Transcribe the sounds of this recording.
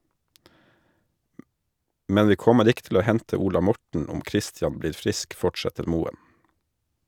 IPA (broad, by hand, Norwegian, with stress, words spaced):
ˈmɛn ˈʋiː ˈkɔməɾ ˈɪk tl̩ ˈoː ˈhɛntə ˈuːlɑ ˈmɔʈɳ̩ ˈɔm ˈkɾɪstjɑn ˈbliːɾ ˈfɾɪsk ˈfɔʈsɛtəɾ ˈmuːən